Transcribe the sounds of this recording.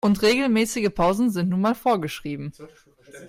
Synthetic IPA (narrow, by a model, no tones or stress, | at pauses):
ʔʊntʁeːɡl̩mɛːsɪɡəpʰaʊzn̩zɪntnuːnmaːlfoːɐɡəʃʁ̥iːbm̩